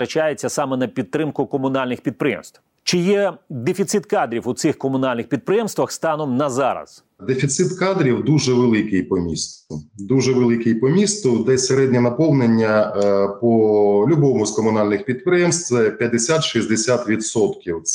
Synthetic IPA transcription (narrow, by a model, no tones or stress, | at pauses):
ɾɐt͡ʃajet͡sʲːɐsɑmɛnɐpʲit̪ːɾɪmkʊkɔmʊnɑlʲnɪxpʲid̪̚pɾɪjɛ̰mst̪ʋ | t͡ʃɪjɛd̪efʲit̪sɪt̪kɑd̪ɾʲiwʊt̪sɪxkɔmʊnɑlʲnɪxpʲid̪̚pɾɪjɛmst̪ʋɐxst̪ɑnɔmnɐzɑɾɐ̰s | d̪efʲit̪sɪt̪kɑd̪ɾʲiwd̪uʒɛʋelˠɪkɪjpɔmʲḭst̪ʊd̪uʒɛʋelˠɪkɪjpɔmʲist̪ʊd̪ɛsʲeɾɛd̪ʲnʲinɐpɔlˠnenʲːɐpɔlʲʊbɔmʊzkɔmʊnɑlʲnɪxpʲid̪pɾɪjɛmst̪sɛpʲjɐd̪esʲat̪ʃizʲd̪esʲat̪ʋʲid̪sɔt̪kʲiwt̪